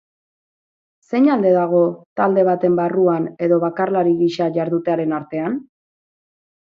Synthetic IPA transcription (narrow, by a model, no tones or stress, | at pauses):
se̞ɲald̪e̞ðaɣ̞o̞t̪ald̪e̞β̞at̪e̞mbaruane̞ðo̞βakarlaɾiɣiʃaʝaɾðut̪eaɾe̞naɾt̪e̞an